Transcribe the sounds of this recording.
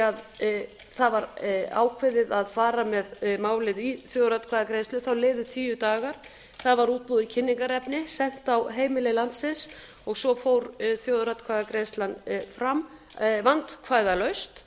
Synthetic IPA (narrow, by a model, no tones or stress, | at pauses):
að | θaðvaɾa̰ːwkʰvɪðɪðaðfaːɾamɛðmaːwlɪðiθjowðɾat̪kʰvaðakɾejnst̪ʏθawleːðʏt̪ʰiːjʏt̪aːɣaɾ̥ | θaðvaɾuːt̪̚puðɪcʰɪnːiŋkaɾɛpnɪsɛn̥t̪awɦeːjmɪlɪlant̪sɪns | ɔɣsɔfowɾθjowðɾat̪kʰvaðakɾeːnst̪lanfɾam | vant̪kʰvaːjðalœɥst̪